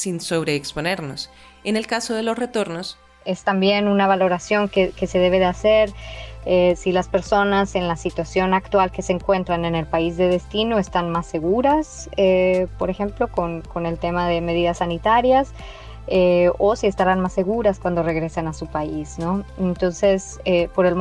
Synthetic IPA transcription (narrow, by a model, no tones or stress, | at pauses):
sinsoβɾe̞ːkspone̞ɾno̞s | ene̞lkasoðe̞lo̞sret̪o̞ɾno̞s | e̞st̪ambje̞nunaβ̞alo̞ɾasjo̞ŋkeke̞se̞ð̞e̞βe̞ð̞ease̞ɾesilaspe̞ɾso̞nase̞nlasit̪wasjo̞nakt̪walke̞seːŋkwe̞nt̪ɾane̞ne̞lpaizðe̞ðe̞st̪ino̞e̞st̪anmasːe̞ɣuɾasepo̞ɾe̞xe̞mplo̞ko̞nko̞ne̞lt̪e̞maðe̞með̞iðasːanit̪aɾjas | eo̞sie̞st̪aɾanmasːe̞ɣuɾaskwand̪o̞re̞ɣɾe̞sanasupaisno̞ent̪o̞nse̞s | epo̞ɾe̞l